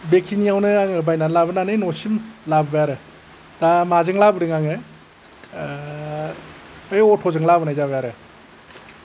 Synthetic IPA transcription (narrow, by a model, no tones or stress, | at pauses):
bekʰinijawnɯaŋɯbajnanlabɯnanɯjnɔsimlabbɯjaɾɯ | tamazɯŋlabɯɾɯŋaŋɯ | ajɔtʰɔzɯŋlabɯnajzaβajaɾɯ